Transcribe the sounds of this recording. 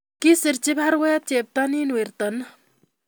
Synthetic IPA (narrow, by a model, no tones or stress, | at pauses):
kisiɾt͡ʃibʱaɾwɐjat͡ʃeːp̚t̪aniːnwiɾt̪ɐn